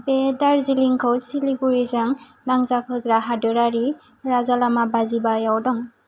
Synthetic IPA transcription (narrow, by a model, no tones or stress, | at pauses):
bedaɾziliŋkʰɯwsiliɡuɾizaŋ | naŋzakʰɯɡɾaɦadɯɾaɾi | ɾazalamabazibajawdɔŋ